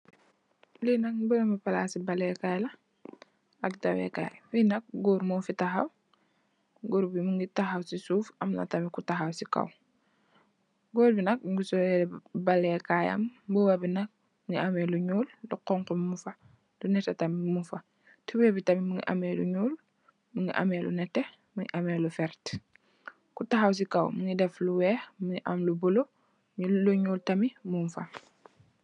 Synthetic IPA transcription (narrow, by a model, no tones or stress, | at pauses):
linak̚buɡemipalasibalekajla | aktawḛka̰jfinak̚ɡoɾmofitaxaw | ɡoɾbimuŋɡitaxawsisuːfamna̰tamikutaxawsika̰w | ɡoːɾbinɐk̚ɡusɔebalekaja̰mbuwabinak̚ | miŋiʔɐmeluɲuːlːuqɔŋkummufɐ | lunɛtɛtɐmimufɐ | tubɛbitɐmimuŋḭʔɐ̰melṵɲuːl | muŋiʔa̰melṵnɛtɛ | muŋḭʔɐmeːlufɛɾt | kutaxaws̬ika̰wmuŋidɛfluwɛːxmuŋiʔɐmlubulo | miluɲuːltɐmimunfɐ